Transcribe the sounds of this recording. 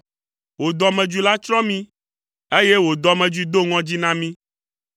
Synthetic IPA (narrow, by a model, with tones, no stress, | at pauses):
wo˨d̪ɔ˨mɛ̃˨d͡ʒi˨la˦t͡ʃɾɔ̃˦mĩ˦ | e˦je˦wo˨d̪ɔ˨mɛ̃˨d͡ʒu˨i˨d̪o˦ŋɔ̃˦d͡ʑi˦nã˦mĩ˦